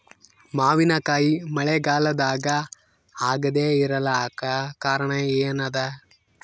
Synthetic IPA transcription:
maːʋinɐkaːjimɐɭeɡaːlɐd̪aːɡɐ | aːɡɐd̪eːiɾɐlaːkɐkaːɾɐɳɐeːnɐd̪ɐ

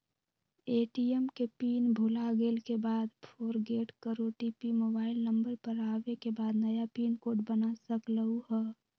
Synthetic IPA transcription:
eːʈiɛmkepiːnbʱʊlaɡeːlkebaːd̪pʰoːɾɡeːʈkəɾoʈiːpimoːbaːɪlnəmbəɾpəɾaːʋekebaːd̪nəjapiːnkoːʈbənasəkləuɦɛː

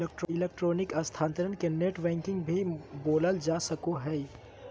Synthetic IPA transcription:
lek̚ʈɾɪleːk̚ʈɾoːnɪkɐst̪ʰaːnt̪əɾənkeneʈbɛ̃ːŋkɪ̃ŋɡbʱiboːləld͡ʒaːsəkoɦɛ

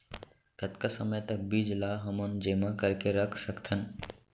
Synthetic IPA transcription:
k̪ət̪kasəməjt̪ək̚biːd͡ʒlaːɦəmənd͡ʒemãkəɾkeɾəkʰsəkt̪ʰən

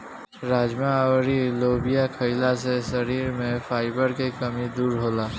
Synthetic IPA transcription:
ɾaːd͡ʒmawɾiloːbijakʰɐɪlaseʃɐɾiːɾmẽfʰaːɪbəɾkekɐmid̪uːɾɦoːlaː

